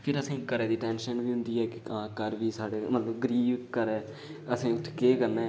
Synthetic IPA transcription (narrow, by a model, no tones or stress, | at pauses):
pʰɪɾəsĩːkəɾeːd̪iːʈɛ̃ːnʃənʋiːɦʊ̃nd̪iːɛːkãːkəɾʋiːsaːɽeːmət̪ləbɡəɾiːbkəɾɛː | əsĩːʊt̪ʰːkeːkəɾnɛ̃ː